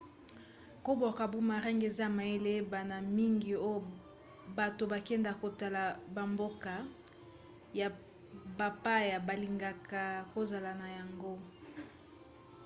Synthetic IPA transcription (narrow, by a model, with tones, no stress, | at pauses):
ko˦bo˨ka˨bu˦ma˨ʁɛ˦ŋɡe˨za˦˨ma˨e˦le˦ba˨na˨mi˦ŋɡi˨o˦jo˨ | ba˨to˨ba˨kɛ˦nda˨ko˨ta˨la˨ba˨mbo˦ka˨ | ja˨ | ba˨pa˦ja˨ba˨li˨ŋɡa˨ka˨ko˦za˨la˨na˨ja˨ŋɡo˦